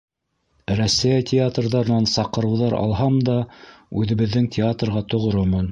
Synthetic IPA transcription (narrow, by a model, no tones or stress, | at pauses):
ɾæsːæjætʲʰɪat̪rðɑɾɤ̆nɑnsɑqɤ̆ɾɤ̆wðɑɾɑ̰lˠɦɑmd̪ɑʉðɘ̆βɘ̆ðːɘŋtʲɪat̪rʁɑt̪ŏʁoɾomɤn